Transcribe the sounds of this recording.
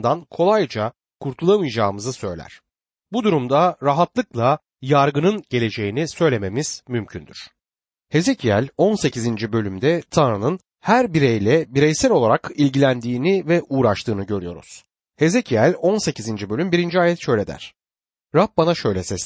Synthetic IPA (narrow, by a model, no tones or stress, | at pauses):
d̪ankʰo̞lˠajd͡ʒa | kʰuɾt̪ʰulˠamɯjd͡ʒaːmɯzɯsø̞̰jlʲæ̰ɾ̥ | bud̪uɾumd̪aɾaɦat̪lˠɯklˠa | jaɾɡɯnɯnɟe̞lʲe̞d͡ʒe̞jinisø̞jlʲe̞me̞miz̥mymcʰynd̪y̰ɾ̥ | he̞ze̞cʰijælʲo̞nse̞cʰizind͡ʒibø̞lʲymd̪ɛt̪ʰanɾanɯn | hæɾbiɾejlʲɛbiɾɛjsælʲo̞lˠaɾakilʲɟilʲænd̪iːnivɛʔuːɾaʃt̪ʰɯːnɯɟø̞ɾyjo̞̰ɾṵz̥ | he̞ze̞cʰiælʲo̞nse̞cizind͡ʒibø̞lʲymbiɾind͡ʒiaːjɛt̪ʃø̞jlʲe̞d̪æ̰ɾ̝̥ | ɾap̚banaʃø̞jlʲɛsɛz